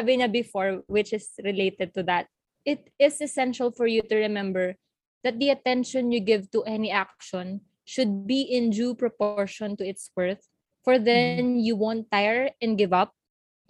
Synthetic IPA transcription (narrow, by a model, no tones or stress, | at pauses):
abɪɲabɪfɔɹwɪt͡ʃɪsɹɪleɪt̪ɛd̪̚t̪uðɐt̪̚ | ʔɪt̪ɪsɛsɛ̃nʃɐlfɔɹjut̪ʊɹɛmɛ̃mbɛɹ | ð̥ɐt̪̚d̪iɐt̪ɛ̃nʃɔ̃njuɡɪvt̪uʔɛniʔak̚ʃɔ̃n | ʃʊd̪̚biʔɪ̃nd͡ʒupɹɔpɔɹʃɔ̃nt̪ʊɪt̪swɛɹθ | fɔɹðɛnjuwõwnt̪ːajɛɹɛ̃n̚ɡɪvʌp̚